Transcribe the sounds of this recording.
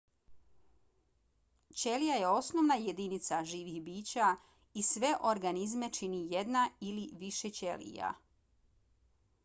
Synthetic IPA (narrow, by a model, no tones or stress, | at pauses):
t͡ɕe̞lijaje̞o̞snoʋnaje̞d̪init̪saʒiːʋixbiːt͡ɕa | isʋe̞ʔoɾɡanizme̞t͡ʃinije̞d̪nailiʋiʃet͡ɕelḭja̰